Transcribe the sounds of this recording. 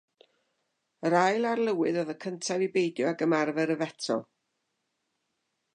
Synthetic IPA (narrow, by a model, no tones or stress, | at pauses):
əɾajlˠarlˠəwɨðɔðəkʰəntʰavibejdjɔaɡəmarvɛɾəvɛtʰɔ̰lˠ